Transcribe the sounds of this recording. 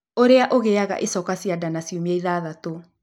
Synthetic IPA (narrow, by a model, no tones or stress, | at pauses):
oɾeaʔoɣeaɣa̰ʔesɔkasiadanasjumeiðaːðato